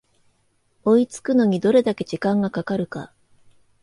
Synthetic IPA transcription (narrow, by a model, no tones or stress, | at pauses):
o̞it͡sɨ̥kɯ̟no̞ɲ̟id̪o̞ɾe̞d̪ake̞d͡ʑikãŋɡakakaɾɯ̟ka̰